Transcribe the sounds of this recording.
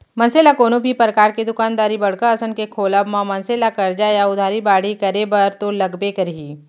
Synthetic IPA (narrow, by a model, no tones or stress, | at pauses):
mɐ̃nseːlakoːnobʱipɾəkaːɾked̪ʊkaːnd̪aːɾibɐɽ̤kəəsənkekʰoːlabmãmɐ̃nseːlakɐɾd͡ʒajaʊd̪ʱaːɾibaːɽikɐɾebɐɾt̪olɐɡbekɐɾiː